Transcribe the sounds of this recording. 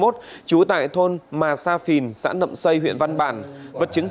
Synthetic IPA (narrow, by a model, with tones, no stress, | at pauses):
mo˦˥t̚ | t͡ɕu˨˦t̪a̰ː˧˨jt̪ʰo˧nmaː˨˩saː˧fi˨˩nsa̰ː˧˥nːə̰˧˨msə˧jhɦwḭ˧˨ənva˧nɓaː˧˩nvə˨˩t̚t͡ɕɨ˨˦ŋ